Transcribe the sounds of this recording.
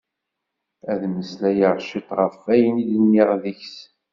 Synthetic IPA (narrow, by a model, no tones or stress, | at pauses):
æðməslæjəʁʃit̪ˤʁəfæjənilənːiʁðiçs